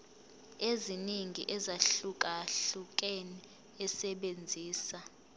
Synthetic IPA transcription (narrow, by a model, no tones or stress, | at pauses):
eziniŋʱḭʔɛzaɬukʼaɬuk̬ʼeni | ɛsɛɓend͡zʱiːsa